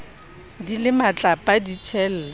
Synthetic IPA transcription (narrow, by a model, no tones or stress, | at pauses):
dilɪmat͡ɬʼapʼaditʰɛl̩ːla